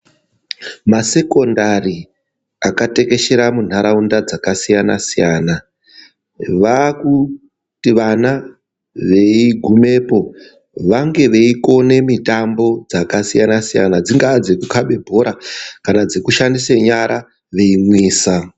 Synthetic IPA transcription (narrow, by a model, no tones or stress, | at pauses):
mase̞ko̞ndari | akate̞ke̞ʃe̞ɾamun̤aɾaundad͡zakasijana̰sijana | ʋaku | tiʋana | ʋe̞iɡʱume̞ːpo̞ | ʋaŋɡe̞ʋe̞iko̞ne̞mitambo̞d͡zakasijanasija̰nad͡ziŋɡaːd͡zekukʰaɓe̞bʱo̞ɾakanad͡zekuʃandiseɲaɾʔa | ʋe̞imwiːsa